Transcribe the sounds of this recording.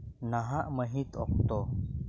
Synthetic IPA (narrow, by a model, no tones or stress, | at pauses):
naɦaʔməɦit̪ɔ̰k̚t̪ɔ